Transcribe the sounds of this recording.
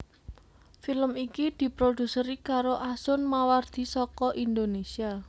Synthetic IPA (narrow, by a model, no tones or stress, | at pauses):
filəmikid̪̥i̤pɾod̪̥ṳsəɾikaɾoʔasʊnmaward̪̥i̤sɔkɔʔind̪onesia